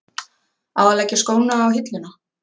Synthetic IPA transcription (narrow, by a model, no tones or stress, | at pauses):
awalɛcːɪskoːwnaːwɦɪt̪lɪna